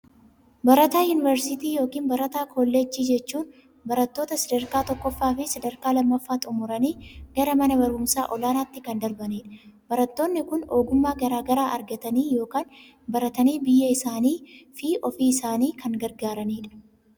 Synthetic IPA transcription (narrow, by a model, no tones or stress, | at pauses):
bɐɾɐt̪aːjuːnɪvɐɾsɪt̪iːjo̞ːkiːnbɐɾɐt̪aːkʰoːlːeːt͡ʃːiːd͡ʒɛt͡ʃːuːn | bɐɾɐt̪ːoːt̪ɐsɐd̪ɐɾkaːt̪ɔkːɔfːaːfɪsɐd̪ɐɾkaːlɐmːɐfːaːt̪ʼʊmʊɾɐniːɡ̥ɐɾɐmɐnɐbɐɾɡʊmsa̰ːʔɔlaːnaːt̪ːɪkɐnd̪ɐɾbɐniːᶑɐ̥bɐɾɐt̪ːo̞ːnːɪkʊno̞ːɡʊmːaːɡɐɾaːɡɐɾaːʔɐɾɡɐt̪ɐniːjo̞ːkaːn | bɐɾɐt̪ɐniːbɪjːɐɪsaːniːfiːʔɔfiːɪsaːniːkʰɐŋɡɐɾɡaːɾɐniːᶑɐ̥